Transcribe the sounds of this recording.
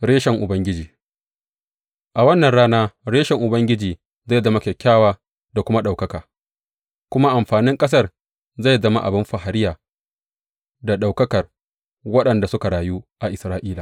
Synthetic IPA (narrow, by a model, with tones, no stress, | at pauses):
ɽeː˦ʃɛ˨ŋʔʊ˨bɐ˦ŋɡʲɪ˦d͡ʒiː˨ | ʔa˨wɐ˦nːɐ˨nɽaː˦naː˦ɽeː˦ʃɛ˨ŋʔʊ˨bɐ˦ŋɡʲɪ˦d͡ʒiː˨ | za˦˨jzɐ˦ma˦kʲɛ˨kʲːaː˦waː˦ | da˨kʷʊ˦ma˦ɗa˨wkɐ˦kaː˨ | kʷʊ˦ma˦ʔa˨mɸaː˨nɪ˦ŋkʼɐ˦s̬ɐ˦r | za˦˨jzɐ˦ma̰˦ʔa̰˨bɪ˦mɸa˨ɦa˨ɾɪ˦jaː˨ | da˨ɗa˨wkɐ˦kɐ˨r | wɐ˦ɗɐ˨nda˨sʊ˦ka˨ɽaː˨ju˦ʔa˨ʔɪ˨sɾaː˦ʔiː˦la˨